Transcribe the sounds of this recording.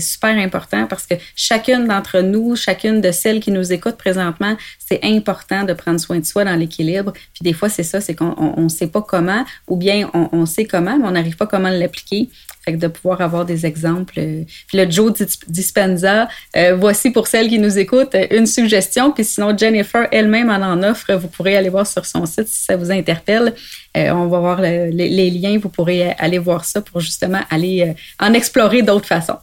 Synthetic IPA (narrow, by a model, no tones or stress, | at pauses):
sy̥pɛːʁɛ̃pɔʁt̪ɑ̃paʁsə̥kəʃakʲʏnd̪ɑ̃t̪χənuʃakʲʏnd̪əsɛlkʲinuzekʊt̪̚pʁezɑ̃t̪maɑ̃sɛʔɛ̃pɔʁt̪ɑ̃d̪əpχɑ̃d̪ʁswɛ̃d̪əswad̪ɑ̃lekʲilɪbʁpɥid̪efwasɛsʌsɛkɔ̃ʔɔ̰̃ʔɔ̃sɛpʌkɔmɑ̃ubjɛ̃ɔ̃ʔɔ̃sɛkɔmɑ̃mɛɔ̃naʁiːv̥pʌkɔmɑ̃lːapli̥kʲe | fɛk̚d̪əpuvwaːʁavwaːʁd̪ezɛɡzɑ̃pløpiləd͡ʒod̪ispɛnzaøvwasipʊʁsɛlk̬ʲinuzekʊt̪øʔynsyɡʒɛst̪jɔ̃pisinɔ̃d͡ʒenefɛ˞ʔɛlmɛ̃mɑ̃nɑ̃ːnɔfʁəvupʰuʁealevwaːʁsyʁsɔ̰̃sɪt̪si̥savuzɛ̃t̪ɛʁpɛlø̰ɔ̃vavwaːʁləleleljɛ̃vupuʁeʔa̰levwaːʁsʌpʊʁʒyst̪əmɑ̃ʔaleøɑ̃nɛksplɔːʁed̪ɔʊt̪χfasɔ̰̃